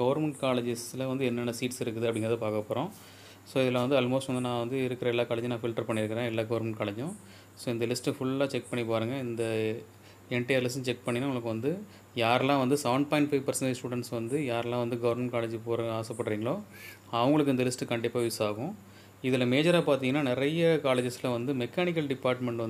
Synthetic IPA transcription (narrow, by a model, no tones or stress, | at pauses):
ɡɐʋɐɾmɛɳʈkaːlɐd͡ʒɪslɐʋɐnd̪ɯɛnːɛnːɐsiːʈsɪɾɯkːɯðɯɐpːɐɽɪŋɡɾɐðɐpaːkɐpːoːɾõː | soːɪðɐlːãːʋɐnd̪ɯɐlmoːsʈʋɐnd̪ɯnãːʋɐnd̪ɯɪɾɯkːɪɾɐɛlːaːkaːlɐd͡ʒnaːfɪlʈɐɾpɐɳːɪɾɯkːɪɾẽːɛlːaːɡɐʋɐɾmɛɳʈ̚kaːlɐd͡ʒjʊ̃ | soːɪnd̪ɐlɪsʈfʊɭaːt͡ʃɛk̚pɐɳːipoːɾɯːŋɡɐɪnd̪ɐ | ɛɳʈːɐjɐɾlɪsʈːʊ̃t͡ʃɛk̚pɐɳːinːaːʊŋɡɐɭɐkːɯʋɐnd̪ɯ | jaːɾɛlãːʋɐnd̪ɯsɐʋɳɖ̚paɪ̃ɳʈfɐɪʋpɐɾsɐnsʈuːɽɛɳʈsʋɐnd̪ɯjaːɾɛlãːʋɐnd̪ɯɡɐʋɐɾmɛɳʈ̚kaːlɐd͡ʒipoːɾaːsɐpːɐɽɾiːŋɡɐɭoː | ɐʋɐŋɡɐɭɯkːɪnd̪ɐlɪsʈkɐɳɖɪpːaːʋɪsaːɣʊ̃ | ɪðɪlɐmeːd͡ʒɐɾaːpaːɾt̪iŋɐnːaːnɪɾɐjɐkaːlɐd͡ʒɪslɐʋɐnd̪ɯmɛkːaːnɪk̬ːɐlɖɪpːaːɾʈmɛɳʈɐn